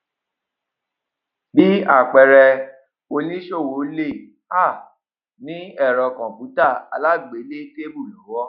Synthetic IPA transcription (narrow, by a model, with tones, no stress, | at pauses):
bi˨˦a˦˨k͡pɛ˨ɾɛ˧ | o˧nĩ˦ʃo˦˨wo˨˦le˦˨ | a˦˨ | nĩ˨˦ɛ˦˨ɾɔ˧kɔ̃˨pu˨˦ta˦˨a̰˧la˦ɡ͡be˨˦le˦te˦bu˦˨lɔ˨˦wɔ˦